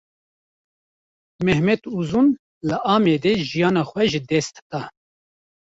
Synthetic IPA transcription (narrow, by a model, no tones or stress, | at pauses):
mɛhmɛt̪uzun | lɨʔɑːmed̪eʒijɑːnɑːxʷɛʒɨd̪ɛst̪d̪̥ɑː